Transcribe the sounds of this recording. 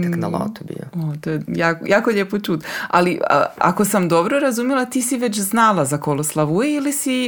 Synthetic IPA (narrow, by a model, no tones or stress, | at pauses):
knala̰t̪ubḭo̰ot̪oːjejaːkjaːkoʎeːpot͡ʃuːd̪a̰liə̰a̰ko̞samd̪o̞bɾoɾazumjelat̪iːsiʋe̞t͡ɕznaːlˠazakoloslˠaʋujeilisi